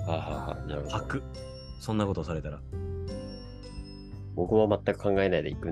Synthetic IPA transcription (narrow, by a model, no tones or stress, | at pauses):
haːha̰ha̰na̰ɾɯhoakɯ̟ | sõ̞nːako̞t̪osaɾe̞t̪aɾa | bo̞kɯ̟βamat̪ːakɯ̟̥kãŋɡae̞naid̪e̞ikɯ̟